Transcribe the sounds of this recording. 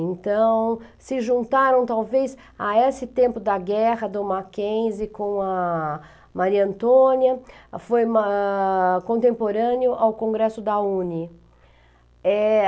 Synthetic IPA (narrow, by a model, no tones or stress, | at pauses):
ẽnt̪ɐ̃w̃sɪʒũnt̪aɾɐ̃w̃t̪awvejz | aesɪt̪ẽmpʊd̪ɐɡɛʁɐd̪ʊmakẽj̃zɪkõw̃ɐ | maɾiɐ̃nt̪õnjɐfojm | kõnt̪ẽmpoɾɐ̃njʊʔawkõɡɾɛsʊd̪ɐũni | ɛ